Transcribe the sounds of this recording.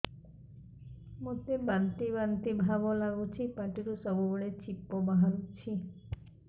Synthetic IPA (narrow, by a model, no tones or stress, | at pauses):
mot̪ebant̪ibant̪ibʱabolaɡot͡ɕʰipaʈiɾusɔbuboɭet͡ɕipːobaɦalut͡ɕʰi